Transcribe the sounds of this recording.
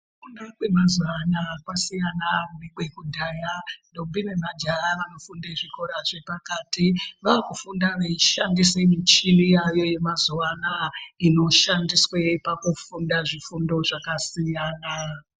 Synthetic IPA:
fundakwe̞mazuanakwasijanamunekwe̞kudʱaːjandobinemad͡ʒaʋano̞fundeʐiko̞ɾaʐe̞pakaːtiʋaːkufundaʋeiʃandisemut͡ʃinijajo̞je̞mazuʋanaino̞ʃandiswepakufundaʐifundo̞ʐakasijaːna

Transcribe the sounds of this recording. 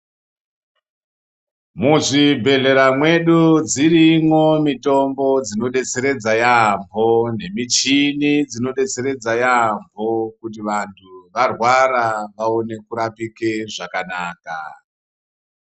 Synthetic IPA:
muʐibʱe̞ɮe̞ɾamwe̞ɗud͡zirimwo̞mito̞mbo̞d͡zino̞ɗe̞t͡se̞ɾe̞d͡zajambʱo̞ne̞mit͡ʃinid͡zino̞ɗe̞t͡seɾe̞d͡zajambʱo̞kut̬iʋantʰuʋarwaɾaʋaone̞kuɾapike̞ʐakanaːka̰

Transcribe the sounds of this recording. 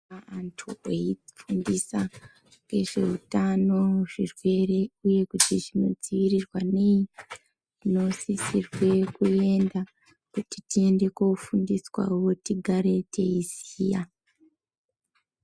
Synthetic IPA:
aantʰueifundisa | ke̞ʐe̞utano̞ʐ̥irwe̞re̞uje̞kutiʐino̞d͡ziʋirirwane̞i | ino̞sisirwe̞kue̞nda | kutitie̞nde̞kofundiswa̰wo̞tiɡʱaɾe̞tʰe̞izija

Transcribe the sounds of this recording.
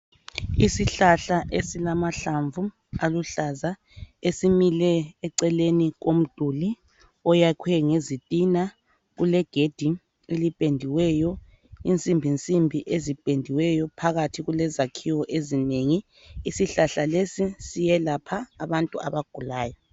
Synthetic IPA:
isiɬaɬaʔesilamaɬaɱvu | aluɬaza | esimilɛːǀɛleniɣom̩d̥ʱuli | ɔjakʰwɛŋezitʼina | ɣulɛɡ̥ʱed̥ʱi | elipʼendʱiwɛjɔ | int͡sʼimbʱint͡sʼimbʱiʔezipʼendʱiwɛjɔpʰaɣatʰiɣulɛzakʰiwɔʔezineŋiː | siɬaɬalesisijɛlapʰaːβantʼua̰βaɡ̥ʱulaːjɔ

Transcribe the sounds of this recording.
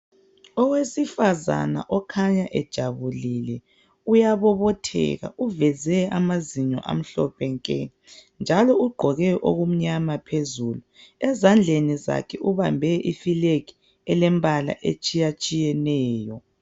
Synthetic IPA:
ɔwesifaza̰na̰ʔɔkʰaɲaʔɛd̥ʒ̥ʱaβulilɛ | ujaβɔβɔtʰɛ̰ɣa̰uvɛzɛamaziɲɔ̰ʔa̰m̩ɬɔpʰɛŋkʼɛ | nd͡ʒʱalɔuɡ͡ǃʱɔɣɛʔo̰ɣum̩ɲamapʰezuluɛzand͡ɮʱeniza̰kʰɛʔuβambʱɛʔifileki̥ | ɛlɛmbʱala̰ʔet͡ʃʼijat͡ʃʼijɛnɛːjɔ

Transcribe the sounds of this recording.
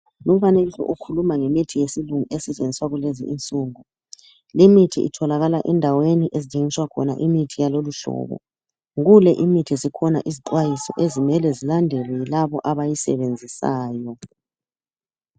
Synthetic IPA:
lum̩faneliɬɔ̰ʔukʰulumaŋemitʰijesiluŋuesɛt͡ʃʼenʱiswaɣulezḭʔint͡sʼuːŋu | limitʰḭʔḭtʰɔlaɣalaʔɛndʱaweniʔezit͡ʃʼeŋiswakʰɔna̰ʔimitʰijaloluɬɔ̰ːβɔ̰ | ɣulɛʔimitʰizikʰɔna̰ʔiziǃwajisɔ̰ʔezimɛlɛzilandʱɛlɛjilaβɔʔaβajisɛ̰βend͡zʱisaːjɔ

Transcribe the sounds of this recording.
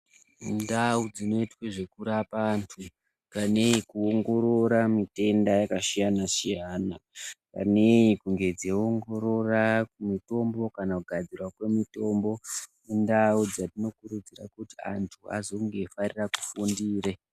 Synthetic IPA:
ndaud͡zino̞itweʐe̞kuɾapaːntʰu | kane̞ikuoŋɡo̞ɾo̞ɾamite̞ndajakaʃijanasijanaka̰neikuŋɡe̞d͡zeoŋɡo̞ɾo̞rakumito̞mbo̞kanakuɡʱad͡zirwakwe̞mito̞mbo̞mundaud͡zatino̞kuɾud͡zira̰kutia̰ntʰua̰zo̞ŋɡe̞fariraku̥fundiːre

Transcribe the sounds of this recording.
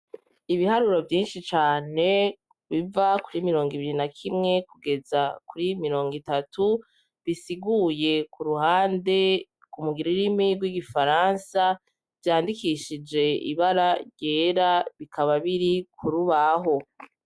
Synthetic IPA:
iβihaɾuɾo̞vjiːnʃit͡ʃaːne̞ | βivakuɾimiɾo̞ːŋɡiβiɾinakʰimŋe̞kuɡe̞zakuɾimiɾo̞ːŋɡitatʰu | βisiɡuje̞kuɾuhaːnde̞ | kumuɡiɾiɾimiɡwiɡifaɾansa | v̥jaːndikiʃid͡ʒe̞ḭβaɾaɾɟe̞ːɾaβikʰaβaβiɾikʰuɾuβaɦo̞

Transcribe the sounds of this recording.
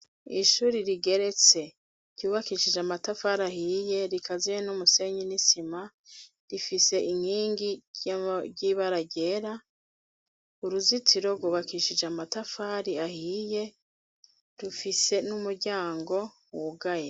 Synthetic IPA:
iʃuːɾiɾiɡe̞ɾe̞t͡se̞ | ɟ̥uːβakiʃid͡ʒamatafaɾahiːje̞ɾikʰazijenumuse̞ɲinisima | ɾifise̞iŋ̥hiːŋɡi | ɟiβaɾaɟe̞ːɾa | uɾuzitʰiɾo̞ɡuβakiʃid͡ʒamatafaːɾiahiːje̞ | ɾufise̞numuɾɟaːŋɡo̞ | wuɡaje

